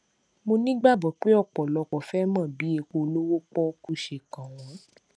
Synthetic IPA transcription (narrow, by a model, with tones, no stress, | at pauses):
mo˧nĩ˦ɡ͡ba˦˨bɔ˨k͡pe˦ɔ˦˨k͡pɔ˨lɔ˨˧kɔ˨fɛ˦mã˦˨bi˨˦e˧˨ko˧lo˦wo˦k͡pɔ˦ku˦ʃe˨kã˨w̃ɔ̃˨˦